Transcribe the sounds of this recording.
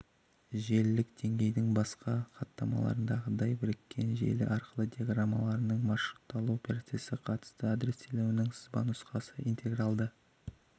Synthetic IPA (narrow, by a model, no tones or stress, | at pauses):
ʒe̞lːɪkd̪̥e̞ŋɡʲe̞jd̪ɪŋbɑsqɑqɑt̪ːɑmɑ̰lˠɑ̰ɾənd̪ɑʁəd̪ɑjbɪɾɪkʲːe̞nʒḛlɪ̰ʔɑɾqəlˠəd̪ʲijaɡramːɑlˠɑɾənəɴmɑʃɾut̪ːɑlˠuopʰʲeɾat̪se̞sɪqʰɑt̪ə̥st̪əad̪ɾe̞st̪ʰele̞wɪnɪŋsə̥zbɑ̰nʊsqɑsəʔint̪ʰe̞ɡrɑlˠd̪ə